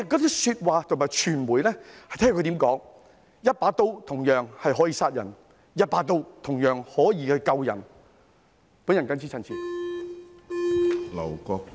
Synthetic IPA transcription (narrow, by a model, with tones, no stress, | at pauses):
kːɔː˨˥t͡s̪ɐ˥syː˧t̚waː˨t̪ʰʊ˨˩maː˨˩jt͡ʃʰyː˨˩nmuː˨˩jlɛː˥hɐ˨jt̪ʰɛ˥kʰɵ˧t̪iː˨˥mkɔː˨˥ŋ | jɐ˥t̚paː˨˥t̪o˥wt̪ʰʊ˨˩ŋjœː˨˩ŋhɐ˨jɦɔ˨˥jiː˧saː˧t̚jɐ̰˨˩n | jɐ˥t̚paː˨˥t̪̬o˥wt̪ʰʊ˨˩ŋjœː˨˩ŋhɔː˨˥jiː˧hɵ˧ɥkɐ˧wjɐ˨˩n | puː˨˥njɐ˨˩nkɐ˥nt͡sʰsʰiː˧˥t͡sʰɐ˧nt͡sʰiː˨˥ | lɐ̰˨˩wkɔː˧k̚